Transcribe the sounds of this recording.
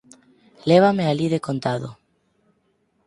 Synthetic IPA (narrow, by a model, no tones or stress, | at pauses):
leβ̞amealiðekont̪aðo̰